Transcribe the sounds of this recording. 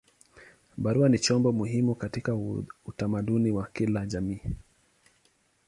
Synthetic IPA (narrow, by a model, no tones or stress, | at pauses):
ɓaɾuanit͡ʃɔmbɔmuɦimukatikautamaɗuniwakilaʄamiː